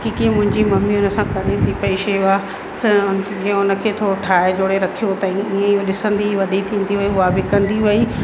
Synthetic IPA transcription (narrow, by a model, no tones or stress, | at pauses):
kikiẽmʊ̃ɦɪ̃ɲd͡ʑimɐmiʊnəsãkɐɾẽd̪ipɐiʃeʊa | kʰʊnkẽʊnə̆kʰeːt̪ʰoːɾoʈʰaːed͡ʑoːɽeɾɐkʰijot̪ɐ̃iːẽɪɦoɗɪsə̃nd̪iʋɐɗit̪ʰĩːn̆d̪iɦɐiʊabɪkɐ̃nd̪iʋɐiː